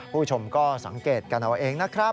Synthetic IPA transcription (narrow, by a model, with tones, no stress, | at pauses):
pʰuː˥˩t͡ɕʰo˧mkɔː˥˩sa̰˨˩˦ŋkeː˨˩t̪̚ka˧nʔa˧wʔeː˧ŋna˦˥kʰɾa˦˥